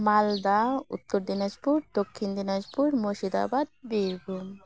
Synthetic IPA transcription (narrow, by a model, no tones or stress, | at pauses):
mald̪aṵt̪ːɔɾd̪inad͡ʒpuɾd̪ɔkʰːind̪inad͡ʒpuɾmoʃid̪a̰bad̪̚biɾɡun